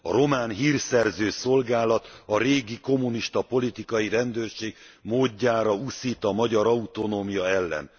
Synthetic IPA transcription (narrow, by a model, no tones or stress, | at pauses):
ɒ̰ɾo̞maːnɦiːrsɛrzøːso̞lɡaːlɒt̪ɒɾeːɡiko̞muniʃt̪ɒpo̞lit̪ikɒjiɾɛnd̪øːrʃeːɡmoːɟːaːɾɒusiːt̪ɒmɒɟɒɾɒut̪o̞noːmijɒɛlːɛ̰n